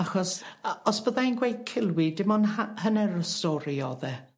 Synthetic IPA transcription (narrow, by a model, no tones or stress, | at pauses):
axɔsɔsb̥əðainɡwejkʰɪlˠwidɪmɔnahənɛɾəstɔɾiɔðɛ